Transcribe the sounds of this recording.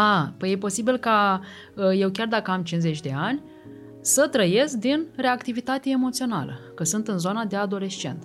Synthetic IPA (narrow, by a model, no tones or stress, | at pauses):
apəje̞po̞sibilka | əje̞wkʲard̪akəamt͡ʃinze̞t͡ʃʲd̪e̞anʲ | sət̪ɾəje̞sk̚d̪inre̞akt̪ivit̪at̪eemo̞t̪sio̞na̰lə̰kəsɨnt̪ɨnzo̞nad̪e̞ad̪o̞le̞st͡ʃe̞̰nt̪